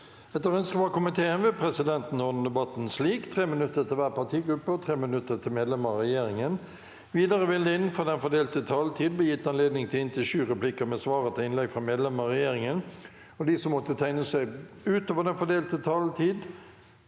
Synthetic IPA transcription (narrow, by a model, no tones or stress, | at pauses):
ɛt̪ːəʁœnskəʋɑkʊmɪt̪ʰeːənʋɪpʰɾɛsɪd̪ɛnt̪n̩ːɔd̪n̩əd̪ɛbɑt̪n̩sliːkt̪ʰʁeːmɪnʉt̪ːət̪ʰɪlʋæːʁpʰɑt̪ʰiːɡɾʉpːəɔt̪ʰʁeːmənʉt̪ːət̪ʰɪlmeːd̪lɛməʁɛjeːɾɪŋən | ʋiːd̪ɑɾəʋɪld̪əɪnːnfɔd̪ɛnfɔd̪eːlt̪ət̪ʰɑlt̪ʰiːd̪blɛjɪt̪ːɑnleːd̪nɪŋt̪ʰɪlɪnt̪ʰɪʃʉːʁɛplɪkəmɛsʋɑːɾət̪ʰɪlɪnlɛɡfʁɑmeːd̪lɛməʁɛjeːɾɪŋən | ɔd̪ɪsɔmːɔt̪ːət̪ʰæɪnəsæɪ | ʉːt̪oːʋəd̪ɛnfɔd̪eːlt̪ət̪ʰɑlt̪ʰiːd̪